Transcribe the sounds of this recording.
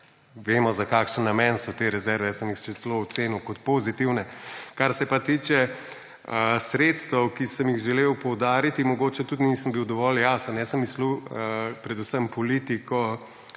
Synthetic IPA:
ʋeːmɔzakaːkʃənːamɛːnsɔt̪eːɾɛzɛɾʋɛsəmjixt͡ʃet̪ɛloːt̪seːniwkɔt̪pozit̪iwnɛkaɾsɛpat̪iːt͡ʃɛ | əsɾeːt̪st̪ʋəwkisəmjixʒɛlewpɔwd̪aːɾit̪imɔɡoːt͡ʃɛt̪ut̪nisəmbiwd̪ɔʋɔljaːsənɛsəmːisluəpɾɛd̪usəmpɔlit̪ikɔ

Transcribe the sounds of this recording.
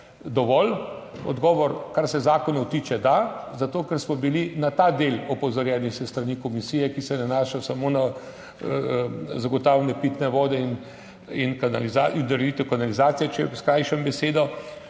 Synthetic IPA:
d̪ɔʋɔl | ɔ̰d̪ɡɔːʋɔɾkaɾsɛzaːkɔnɔwt̪iːt͡ʃɛd̪azat̪oːkɛɾsmɔbilinat̪aːd̪elɔpɔzɔɾjɛnixsɛst̪ɾanikɔmisiːjɛkisɛnanaːʃajɔsamona | zaɡɔt̪aːwlɛnɛpiːt̪nɛʋɔːd̪ɛin | inkanalizaind̪oɾɛd̪it̪ɛwkanalizaːt̪sijɛt͡ʃɛskɾajʃɛmbɛseːd̪ɔ

